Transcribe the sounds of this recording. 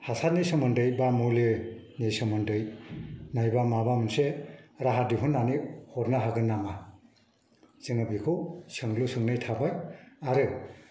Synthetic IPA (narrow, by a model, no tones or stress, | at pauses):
hasat̚nesɯmɯndɯjbamulɯnesɯmɯndɯjnajbamabamɯnseɾaɦadiɦʰɯnːanihɔɾnaɦaɡɯnːama | ziŋɯbikʰɯsɯŋlusɯŋnɯjtʰabajaɾɯ